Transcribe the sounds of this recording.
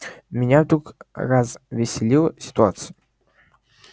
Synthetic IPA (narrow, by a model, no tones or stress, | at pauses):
mʲɪnʲavd̪ɾukrazvʲɪsʲɪlʲilˠəsʲɪ̥t̪ʊat̪sɨjʊ